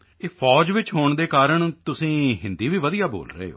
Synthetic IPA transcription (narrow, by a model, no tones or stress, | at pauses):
eːpʰɔːd͡ʒʋɪt͡ʃɦoːɳd̪eːkaːɾəɳt̪ʊsĩːɦɪnd̪iːʋiːʋəd̪ijaːbo̰ːlɾəḛːɦo̰ː